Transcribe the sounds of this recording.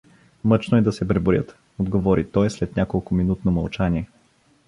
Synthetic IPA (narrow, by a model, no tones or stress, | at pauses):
mɤt͡ʃnoɛd̪ɐsɛbɾɛbʊɾjə̰t̪ | od̪ɡovɔɾit̪ɔjslɛt̪nʲakolˠkʊminut̪nomɐlˠt͡ʃaniɛ